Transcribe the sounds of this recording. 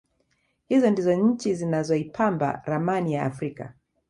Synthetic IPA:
hizɔndizɔɲ̩t͡ʃizinazɔipʰamba̰ɾamanija̰ːfɾika̰

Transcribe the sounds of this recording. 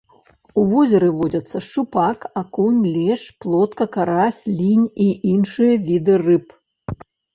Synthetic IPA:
uvɔzʲɐɾɨvɔdʲɐt̪sːɐʂt͡ʂupakakunʲlʲɛʂplˠɔt̪kɐkaɾasʲlʲinʲiʔinʂɨjɐvʲid̪ɨrɨp

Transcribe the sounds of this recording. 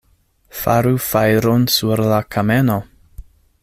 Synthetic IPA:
fa̰ɾufajɾonsuɾlakʰame̞no̞

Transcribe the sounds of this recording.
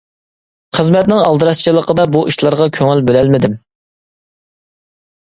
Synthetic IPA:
χəzmɛt̪̚nɪŋɑlˠd̪ɨɾɑst͡ʃʰɨlˠəqʰəd̪ɑbuʔiʃlˠɑɾʁɑkʲʰøŋɪlbølɛlmɪd̪ɪm

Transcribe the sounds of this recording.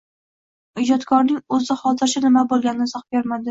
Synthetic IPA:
ɪd͡ʒɒt̪kʰɒɾnɪŋɵzɪχɒt̪ʰɪɾʃɪnɪmabolˠɡʲanɪnɪsɒχbeɾmad̪ɪ

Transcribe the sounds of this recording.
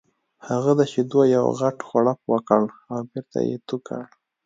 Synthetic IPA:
haɣad̪at͡ʃed̪wajawɣaʈxaɽapwakəɽawbeɾt̪a̰jḛt̪uka̰ɽ

